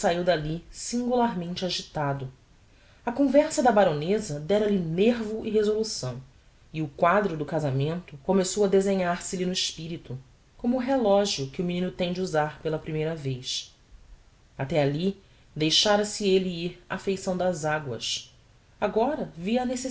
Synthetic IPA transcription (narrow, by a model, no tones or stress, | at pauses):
saiwd̪alisĩŋɡulaɾmẽnt͡ʃɪaʒit̪ad̪ʊ | ɐkõvɛɾsɐd̪ɐbaɾõnezɐd̪ɛɾɐlineɾvʊʔɪɦezolusɐ̃w̃ | iʊkwad̪ɾʊd̪ʊkazamẽnt̪ʊkomesowɐd̪ezẽɲaɾsɪlinʊiʃpiɾit̪ʊ | kõmʊːɦelɔʒiʊkɪʊminĩnʊt̪ẽj̃d͡ʒɪuzaɾpelɐpɾimejɾɐvejs | at̪ɛali | d̪ejʃaɾɐsɪeliiɾa̰fejsɐ̃w̃d̪ɐzaɡwɐ̰s | aɡɔɾɐviɐnese